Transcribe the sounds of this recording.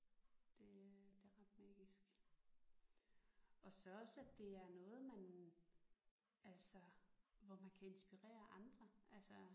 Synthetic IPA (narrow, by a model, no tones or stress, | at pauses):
d̥e̝d̥e̝ʁɑ̈d̥mɑːɡ̥isɡ̥ | ɒ̽sɒ̽ɒ̽sæd̥e̝æɐnɔ̽ːð̞̩ˠmæn | ælsəʋɒmænkʰæe̝nsb̥iʁɛ̰ːɐʔɑ̈nd̥ʁɐʔælsə